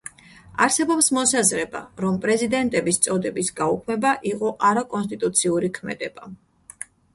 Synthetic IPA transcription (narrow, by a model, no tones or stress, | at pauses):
a̰ɾsɛbɔpsmɔsazɾɛba̰ɾɔmpʼɾɛzid̪ɛnt̪ʼɛbist̪sʼɔd̪ɛbisɡaukʰmɛbaʔiqʼɔʔaɾakʼɔns̬t̪ʼit̪ʼut̪sʰiuɾikʰmɛ̰d̪ɛb̥a